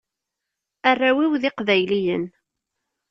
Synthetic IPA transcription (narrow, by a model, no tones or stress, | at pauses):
arːawiwðɪqvæjlijə̰n